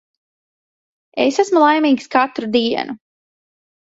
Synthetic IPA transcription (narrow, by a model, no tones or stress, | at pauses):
ḛsæsmulˠajmiːkskat̪ɾud̪iɛ̰nu